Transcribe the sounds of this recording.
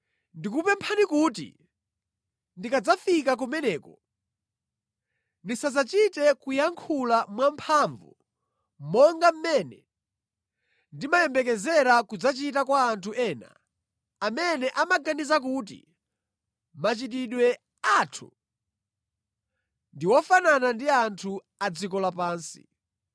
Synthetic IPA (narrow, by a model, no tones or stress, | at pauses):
ndikupɛmpʰanikuːtḭ | ndikad͡zafikak̬ɔmɛnɛːkɔ | ndisazat͡ʃitɛkujaŋkʰulamwampʰaɱvṵ | mɔŋɡam̩mɛnɛ̰ | ndimajɛmbɛk̬ɛzɛɾakud͡zat͡ʃitakwaːntʰuʔɛːna̰ | amɛnɛʔamaɡanizak̬uːt̬ḭ | mat͡ʃit̬iɗwɛ | aːtʰṵ | ndiwɔfananandiantʰu | ad͡zikɔlapaːnsi̥̰